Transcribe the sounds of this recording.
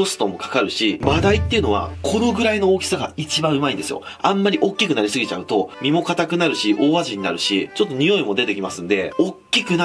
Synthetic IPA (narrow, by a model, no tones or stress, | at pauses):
o̞sɨ̥t̪o̞mo̞kḁkaɾɯ̟ɕibad̪ait̪ːe̞iɯ̟no̞βa̰kʰo̞no̞ɡɯ̟ɾaino̞oːkʲi̥saɡa̰it͡ɕibãɰ̃ɯ̟maĩnd̪e̞sɨjo̰ | ãmːaɾʲiʔo̞kʲːikɯ̟naɾʲisɨɡʲit͡ɕa̰ɯ̟t̪o̞mʲimo̞kat̪akɯ̟naɾɯ̟ɕiʔo̞ːβaʑiɲ̟ina̰ɾɯ̟ɕit͡ɕo̞t̪ːo̞ɲ̟ijo̞imo̞d̪e̞t̪e̞kʲimasɨ̃nd̪e̞o̞kʲːikɯ̟na